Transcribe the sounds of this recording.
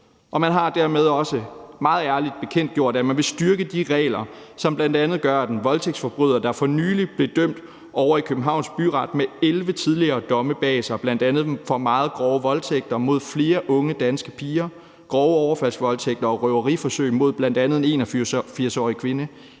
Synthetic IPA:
ʔɒ̽mænɦɑ̈d̥æɐ̰með̞ˠɒ̽səmɑ̈ːð̞̩ˠæɐlid̥̚b̥e̝kʰen̰d̥̚ɡ̥jo̝ɐ̰d̥æmænʋe̝sd̥yɐɡ̥əd̥iʁɛ̰ːlɐ | sɒ̽mb̥lænd̥ænð̩ˠɡ̥ɶɐæd̥enʋɒ̽lt͡sʰeɡ̥sfɒ̽b̥ʁyð̰ˠɐd̥ɑ̈fɒ̽nyːlib̥le̝d̥øm̰d̥ | ʔɒʊɐikʰøb̥̚n̩ɦɑ̈ʊ̰nsb̥yʁɑ̈d̥meelʋət͡sʰið̞ˠliɐːd̥ɒ̽məb̥ɛːsɐb̥læn̰d̥ænð̞̩ˠfɒ̽mɑ̈ːð̩ˠɡ̥ʁɒʊəʋɒ̽lt͡sʰeɡ̥̚d̥ɐmo̝ð̞̰ˠfle̝ːɐʔɔ̽ŋəd̥ænsɡ̥əpʰiːɐ | ɡ̥ʁɒʊəɒʊɐfæl̰sʋɒ̽lt͡sʰeɡ̥d̥ɐɒ̽ʁœʊɐʁifɒ̽søɪ̰mo̝ð̞̰ˠb̥lænd̥ænð̞̩ˠene̝̰ːnɒffiɐsɒ̰ːʁikʰʋe̝nə

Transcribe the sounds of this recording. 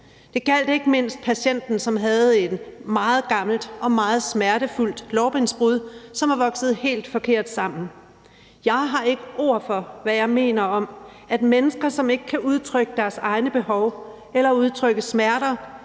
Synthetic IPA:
d̥e̝ɡ̥æl̰d̥e̝ɡ̥əme̝n̰sd̥̚pʰæɕen̰d̥n̩sɒ̽mɦæð̞̩ˠe̝d̥mɑ̈ːð̞̩ˠɡ̥ɑ̈ml̩d̥ʔɒ̽mɑ̈ːð̞̩ˠsmæɐɾ̥əful̰d̥lɒʊb̥ʁensb̥ʁuðˠsɒ̽mɑ̈ʋɒ̽ɡ̥sð̞̩ˠhe̝̰ːld̥fɒ̽kʰe̝ɐ̰d̥sɑ̈m̰n̩ | jɑ̈ɪɦɑ̈e̝ɡ̥əo̝ɐ̰fɒ̽ʋæjɑ̈ɪme̝̰ːnɐɒ̽m | æd̥menəsɡ̥ɐsɒ̽me̝ɡ̥ə̥kʰæʔuð̞ˠt͡sʰʁœɡ̥əd̥æɐsɑ̈ɪnəb̥e̝hɒʊ | elɐuð̞ˠt͡sʰʁœɡ̥əsmæɐɾɐ

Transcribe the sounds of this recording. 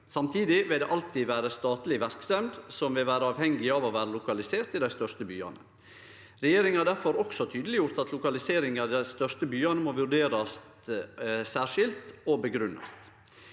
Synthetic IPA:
sɑmt̪ʰiːd̪ɪʋɪld̪ḛːʔɑlt̪iːd̪ʋæːɾəst̪ɑːt̪lɪʋæɾksɛmd̪sɔmʋɪlʋæːɾəɑːʋhɛŋɡɪɑʋoʋæːɾəlʊkɑlɪseːɾt̪ɪd̪æɪst̪œʂt̪əby̰ːɑ̰nə | ɾɛjeːɾɪŋhɑːɖ̪æɾfɔɾɔksɔt̪ʰyːd̪əlɪjʊɾt̪ɑt̪ʰlʊkɑlɪseːɾɪŋɑd̪æɪst̪œʂt̪əbyːɑnəmoːʋʉɖeːɾɑst̪ | sæːʂɪlt̪obəɡɾʉnːɑ̰st̪

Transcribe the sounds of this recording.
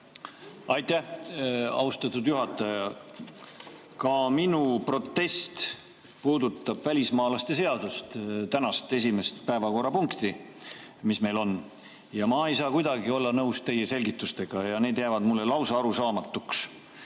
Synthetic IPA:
ɑjt̪æh | ɑ̰wst̪ɑt̪ːˑud̪̥juɦɑt̪ːˑɑjɑ | kɑminupro̞t̪ːe̞st̪ | puːd̪ut̪ˑːɑb̥vælʲismɑːlɑst̪e̞se̞ɑd̪̥ust̪t̪ænɑst̪e̞s̬ʲime̞st̪pæevɑko̞rɑpuŋkt̪i | misme̞jlo̞n | jɑmɑe̞jsɑːkujd̪ɑɡio̞lːɑnɤuwst̪e̞jːese̞lʲɡit̪ːˑust̪e̞ɡ̥ɑjɑne̞ːd̪̥jævɑd̪mulːe̞lɑwsɑɑɾusɑːmɑt̪ːˑuks

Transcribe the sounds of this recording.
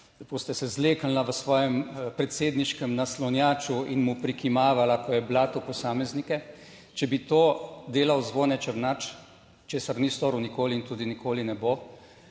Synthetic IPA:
poːst̪ɛsɛzleːkənlaʋəsʋɔːjɛmpɾɛt̪seːd̪niʃkɛmnaslɔnjaːt͡ʃuinmupɾikimaːʋalakɔjɛblat̪oːpɔsaːmɛznikɛ | t͡ʃɛbit̪oːd̪eːlawzʋoːnɛt͡ʃəɾnat͡ʃ | t͡ʃeːsaɾnist̪oːɾuwnikoːliːnt̪uːd̪inikoːlinɛbo

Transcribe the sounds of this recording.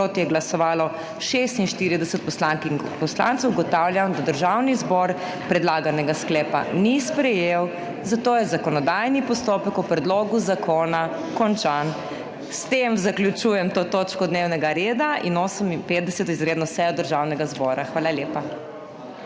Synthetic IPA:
ot̪jɛɡlasɔʋaːlɔ | ʃest̪inʃt̪iɾid̪ɛsət̪̚pɔslaŋkin | pɔsla̰nt̪səwɡɔt̪awljamd̪ad̪əɾʒawnizbɔɾ | pɾɛd̪laːɡanɛɡasklɛːpa̰nispɾɛjew | zat̪oːjɛzakɔnɔd̪ajnipɔst̪oːpəkupɾɛd̪loɡuzakʰoːna | kɔnt͡ʃan | st̪emzaklʲjut͡ʃujɛmt̪oːt̪oːt͡ʃkɔd̪neːwnɛɡaɾeːd̪ainoːsəminpeːt̪̚d̪ɛsɛt̪izɾeːd̪nɔsɛjɔd̪əɾʒawnɛɡazbɔːɾaxʋaːlaljeːpa

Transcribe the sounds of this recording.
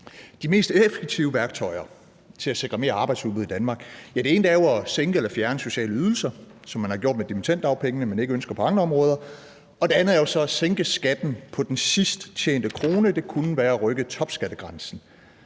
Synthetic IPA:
d̥ime̝̰ːsd̥efeɡ̥̚t͡sʰiʊəʋæɐɡ̥̚t͡sʰɒ̽ɪ̰ɐ | t͡sʰe̝læse̝ɡ̥ʁɐme̝ːɐɑ̈ːb̥ɑ̈ɪd̥subuð̩ˠidænmɑ̈ːɡ̥jæd̥e̝e̝ːnd̥æɐjoæseŋɡ̥əelɐfjæɐnəso̝ɕɛ̰ːləyð̞ˠl̩sɐsɒ̽mːænhɑ̈ɡ̥o̝̰d̥med̥imint͡sʰæn̰d̥ɑ̈ʊpʰeŋənəmæne̝ɡ̥əønsɡ̥ɐpʰɒ̽ɑ̈ŋləɒ̽mʁɔ̽ːð̞ˠɐ | ɒ̽d̥e̝ænð̩ˠæɐjosɒ̽æseŋɡ̥əsɡ̥æd̥n̩pʰɒ̽d̥ensisd̥t͡ɕʰḛːnd̥əkʰʁo̝ːnəd̥e̝kʰunəʋæːɐæʁœɡ̥ət͡sʰɒ̽b̥sɡ̥æd̥əɡ̥ʁɑ̈nsn̩

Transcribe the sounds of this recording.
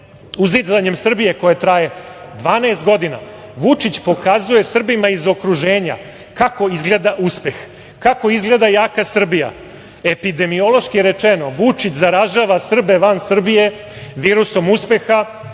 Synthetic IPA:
uzizaɲe̞msr̩bije̞ko̞jet̪ɾaje̞d̪ʋaːnaest̪ɡo̞d̪ina̰ʋut͡ʂit͡ɕpo̞kazuje̞sr̩bimaizo̞kɾuʒeːɲa̰ | kako̞izɡle̞ːd̪aʔuspe̞x | kako̞izɡle̞ːd̪ajaːkasr̩bija̰ | e̞pid̪e̞mio̞lˠo̞ʃkijeɾet͡ʃenoʋut͡ʂit͡ɕzaɾaʒaːʋasr̩be̞ʋansr̩bije̞ | ʋiːɾuso̞muspe̞xa

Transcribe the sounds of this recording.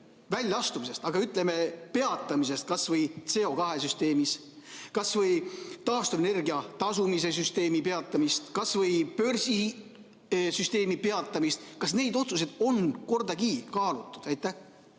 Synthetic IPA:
vælʲːɑɑst̪umise̞st̪ɑɡ̥ɑyt̪ːˑleme̞pe̞ɑt̪ːˑɑmis̬e̞st̪̚kɑsvɤjt̪se̞o̞kɑɦe̞s̬yst̪e̞ːmis | kɑsvɤjt̪ɑːst̪uene̞rɡiɑt̪ɑsumis̬e̞s̬yst̪e̞ːmipe̞ɑt̪ˑːɑmist̪kɑsvɤjpø̞rsi | syst̪e̞ːmipe̞ɑt̪ːˑɑmist̪kɑsne̞jd̪o̞t̪sus̬ed̪̥o̞nko̞rd̪̥ɑkiːkɑːlut̪ːˑud̪̥æjt̪ːˑæh

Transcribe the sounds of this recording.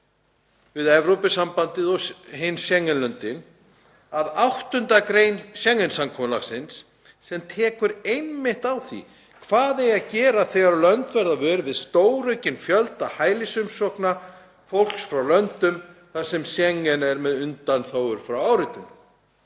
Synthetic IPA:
vɪðɛvɾowpʏsampant̪ɪðɔhɪnsɛŋːʏnlœnt̪ɪn | aðawht̪ʏnt̪akɾejnsjɛŋːʏnsamkʰɔmʏla̰xsɪnsː | ɛmt̪ʰɛːkʏɾejnmɪht̪awθḭ | kʰv̥aːðejaðcɛːɾaθɛːɣaɾalœnt̪vɛɾðavœːɾvɪðst̪oːwɾœɥcɪnfjœlt̪ahaːjlɪsʏmsɔhkna | fowl̥ksfɾawlœnt̪ʏmθḁsɛmsjɛŋːɛnɛɾmɛðʏnt̪anθoːwʏɾ̥fɾawawɾɪt̪ʏm

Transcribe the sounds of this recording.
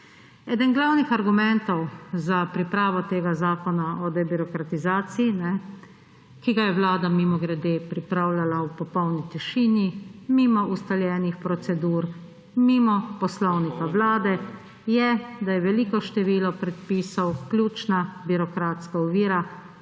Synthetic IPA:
ɛːd̪ɛnɡlawnixaɾɡumɛnt̪ɔwzapɾipɾaːʋɔt̪eːɡazaːkɔnaɔd̪ɛbiɾɔkɾat̪izaːt̪sijinɛ | kiɡajɛʋlaːd̪amimɔɡɾɛd̪eːpɾipɾawlalaupɔpɔwnit̪iʃiːnjimimɔust̪aljɛːnixpɾɔt̪sɛd̪uːɾ | mimɔpɔslɔwnikaʋlaːd̪ɛ | jɛd̪ajɛʋɛliːkɔʃt̪ɛʋiːlɔpɾɛt̪̚piːsawklʲuːt͡ʃnabiɾɔkɾaːt̪skaɔʋiːɾa

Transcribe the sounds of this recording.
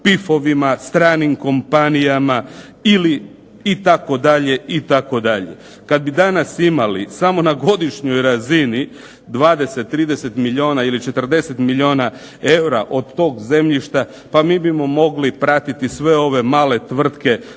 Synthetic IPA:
pifo̞ʋimast̪ɾaːnimko̞mpanijama | iliː | t̪ako̞d̪aʎe̞it̪ako̞d̪aʎe̞̰ | kad̪̚bid̪anasimalḭsamo̞naɡo̞d̪iʃɲo̞jɾazini | d̪ʋaːd̪e̞set̪ːɾiːd̪e̞se̞t̪milʲio̞ːnailit͡ʃe̞t̪r̩d̪e̞se̞t̪milʎio̞ːna | e̞wɾaʔo̞d̪t̪o̞ːɡze̞mʎiʃt̪a | pamiːbimo̞mo̞ɡlipɾat̪it̪isʋe̞o̞ʋe̞maːle̞t̪ʋr̩t̪ke̞

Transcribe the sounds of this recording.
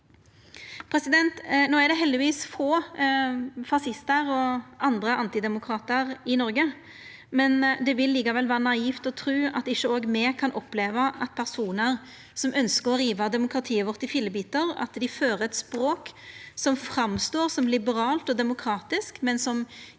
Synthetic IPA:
pʰɾɛsɪd̪ɛnt̪noːæd̪ɛɦɛld̪ɪʋiːsfoː | fɑsɪst̪əɾɔʔɑnd̪ɾəʔɑnt̪ɪd̪ɛmʊkʰɾɑːt̪əɾɪnɔɾɡə | mɛnd̪ɛʋɪlːiːkɑʋɛlʋæːɾənɑiːft̪ɔt̪ʰɾʉːɑ̰t̪ɪʃːəoːɡmɛkʰɑnʔɔpːleːʋəʔɑt̪̚pʰæʁsuːnəɾ | sɔmʔœnskəʁɔɾiːʋɑd̪ɛmʊkɾɑt̪ʰiːəʋɔʁt̪ːɪfɪlːəbiːt̪əɾɑ̰t̪d̪ɪføːɾəɛt̪spɾoːksɔmfɾɑmst̪oːʁsɔmlɪbəɾɑːlt̪ɔd̪ɛmʊkʰɾɑːt̪ɪskmɛnsɔm

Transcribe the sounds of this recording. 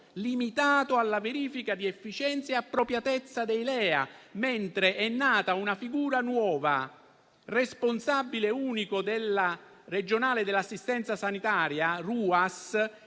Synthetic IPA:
limit̪aːt̪oalːaveɾiːfikad̪iɛfːit͡ʃɛnt̪sjeapːɾopɾjat̪ɛt̪sːad̪ejlɛːa̰ment̪ɾeʔɛnːaːt̪aunafiɡuːɾanwɔːva̰ | responsabːileuːnikod̪elːa | red͡ʒonaːled̪elːasːist̪ɛnt̪sasanit̪aːɾjaruːas

